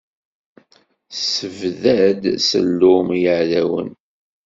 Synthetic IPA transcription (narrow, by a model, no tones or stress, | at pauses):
səvðæd̪sə̰lːʊmjəʕðæwə̰n